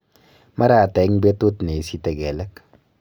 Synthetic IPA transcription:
ma˦ɾa˨tɛ˨˦ŋbe˦tu˦tne˨si˦tɛ˨ɡɛ˨lɛ˦k

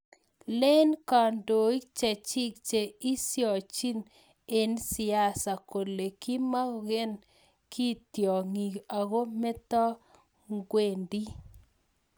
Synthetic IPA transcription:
le˦nka˨ndo˨i˦k̚t͡ʃe˨t͡ʃi˦k̚t͡ʃe˨i˦sjɔ˨t͡ʃi˦n | e˨nsɪ˨a˦sa˨ko˨le˨ki˦ma˦˨ɣe˦n | kʰi˦tjɔ˨ŋi˨a˨ɣo˦mɛ˦t̪ɔ˦ | ŋɡwe˦˨ndi˦

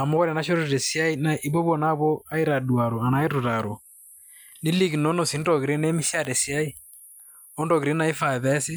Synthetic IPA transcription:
a˨mɔ˦ɣɔ˦ɾɛ˨na˦ʃ̬o˦ɾo˦˨ɾɛ˨sja˦i˦na˨ʔi˦βɔ˦βɔ˦˨na˦βɔ˦a˦i˦ɾa˨dwa˨ɾo˨a˨naː˨˦i˦ɾu˨ɾa˨ɾo˨ | ni˦li˦ɣi˨nɔ˦nɔ˨si˨˦ndɔ˨ɣi˨ɾe˦ne˦mi˦ʃja˦ɾɛ˨sja˦i˦ | ɔ˦ndɔ˨ɣi˨ɾe˦na˨˦i˦fa˨βɛ˦si˦

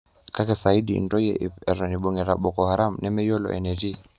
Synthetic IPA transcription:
ka˦kɛ˨sa˨i˦dḭ˨ndɔ˦jɛ˦ʔɛ˨ɾɔ˨ni˨ɓɔ˨ŋɛ˨ɾa˨ɓɔ˨kɔ˨ha˨ɾa˦mnɛ˦mɛ˦jɔ˦lɔ̰ʔɛ̰˨nɛ˨ti˦

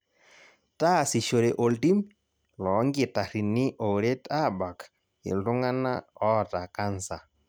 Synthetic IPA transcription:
ta˦˨si˨ʃo˨ɾe˨ʔo˨lti˦m | lɔ˨˦ŋɡɪ˨ta˨ɾi˨nɪ˦ʔo˨ɾe˦ta˦˨ba˨k | ɪ̰˨lʊ˦ŋa˦na̰˦ɔ˦˨ta˨ka˦nsa˨

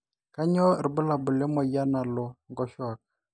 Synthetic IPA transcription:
ka˦ɲɔ˦˨ɾbʊ˦la˨bʊ˨lɛ˦mɔ˨ja˦na˨lɔ˨ŋɡɔ˦ʃɔ˦a˨k̚

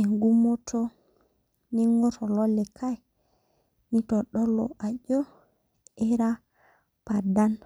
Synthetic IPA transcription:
e˨ŋɡu˦mo˦to˦ | ni˦ŋo˦to˨lo˦le˨kʰa˦ | ni˦to˨ɗo˦lo̰˨ʔa˨d͡ʒo˦ | e˦ɾa˦ | pa˨da˦n

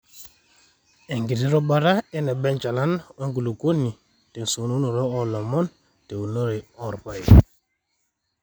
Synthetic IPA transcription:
ɛ˨ŋɡi˨ti˦ɾɔ˦ɓa˦ɾa˦ɛ˦nɛ˨ɓɛ˦nt͡ʃa˨la˦nwɔ˦ŋɡu˨lu˨ko˦nːi˨ | tɛ˨n˨so˨nu˦no˨ɾɔ˦ɔ˦lɔ˨mɔ˦n | te˨u˨no˦ɾe˨ɔ˦˨ɾpa˨ji˨

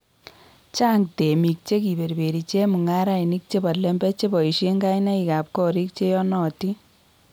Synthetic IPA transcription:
t͡ʃa˦ŋte˨mi˨k̚t͡ʃe˦ki˨be˨ɾbe˨ɾi˨t͡ʃe˦mu˨ŋa˦ɾa˦i˨ni˦k̚t͡ʃe˦pa˨tle˦mbɛ˦t͡ʃe˦pɔ˨i˨ʃe˦ŋɡa˦jna˦i˨ka˨p̚kɔ˦ɾi˦k̚t͡ʃe˦jɔ˦nɔ˨ti˦

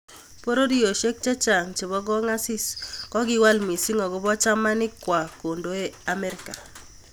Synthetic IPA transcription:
po˦ɾo˦di˦o˨ʃe˦k̚t͡ʃɛ˦t͡ʃa˨ŋt͡ʃe˨bɔ˦ɡɔ˦ŋa˦sɪ˦skɔ˦ɡɪ˦wa˦lmi˨si˦ŋɔ˨ɡɔ˦bɔ˦t͡ʃa˦ma˦nɪ˦kwa˨ko˨ndo˦e˦a˨mɛ˦ɾɪ˦ka˨

